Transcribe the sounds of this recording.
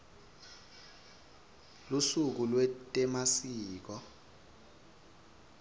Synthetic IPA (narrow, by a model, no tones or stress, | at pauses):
lusuk̬ulwɛtʼɛmasiːk̬ɔ